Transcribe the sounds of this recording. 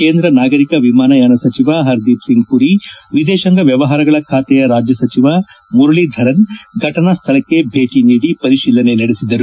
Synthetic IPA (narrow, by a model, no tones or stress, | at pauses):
keːnd̪ɾɐnaːɡɐɾikɐʋimaːnɐjaːnɐsɐt͡ʃiʋaɦɐɾd̪ipsiŋɡkuɾiʋid̪ɛːʃɐŋɡɐʋjɐʋɐɦaːɾɐɡɐɭɐkʰaːt̪ɛjɐɾaːd͡ʒjɐsɐt͡ʃiʋa | muɾuɭid̪ʱɐɾɐnɡʱɐʈɐnast̪ʰɐlɐkːe̞bʱeːʈiniːɽipɐɾiʃiːlɐne̞nɐɽesid̪ːɐɾu